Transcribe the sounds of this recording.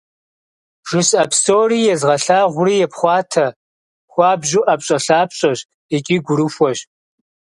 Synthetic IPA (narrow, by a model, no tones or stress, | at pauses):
ʒ̥ɨɕʼɐpstoːriːjɛzʁɐɬaːʁʷʊriːjɛpχʷɑːtʰɐ | xʷɑːbʒuʔɐpɕʼɐɬaːpɕʼɐɕ | ɛt͡ʃʼiːɡʷʊɾɨxʷɔɕ